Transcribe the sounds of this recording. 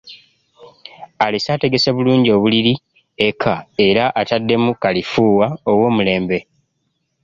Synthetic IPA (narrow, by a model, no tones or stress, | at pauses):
alesaːte̞ɡe̞seβuluːɲɟio̞ːβuliɾi | ekʰae̞ɾaʔatadːe̞mukalifuːwao̞wo̞ːmule̞ːmbe̞